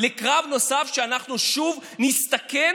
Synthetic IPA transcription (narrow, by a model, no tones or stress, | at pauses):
lekʁavno̞safʃeanaχnuʃuvnist̪ake